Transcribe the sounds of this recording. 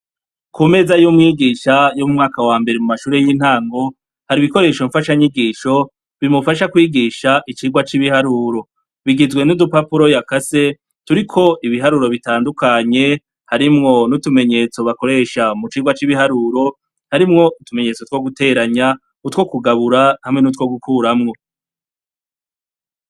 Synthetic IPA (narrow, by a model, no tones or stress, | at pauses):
kʰume̞zajumŋiːɡiːʃajomumŋaːkawaːmbe̞ɾemumaʃuːɾe̞jiːn̥haːŋɡo̞ | haɾiβiko̞ɾe̞ːʃoɱfaʃaɲiɡiːʃo̞ | βimufaʃakwiːɡiʃaʔit͡ʃiːɡwat͡ʃiβihaɾuɾo | βiɡizɡwe̞nudupapuɾojakase̞ | tuɾikʰo̞ʔiβiɦaɾuɾo̞βitaːndukaɲe̞ | haɾimŋo̞nutume̞ɲe̞t͡so̞βako̞ɾe̞ʃamut͡ʃiːɡwat͡ʃiβihaɾuːɾo̞ | haɾimŋo̞utume̞ɲe̞t͡so̞two̞ɡute̞ːɾaɲa | utwo̞kuɡaβuɾahamŋe̞nut̬wo̞ɡukʰuɾamŋo̞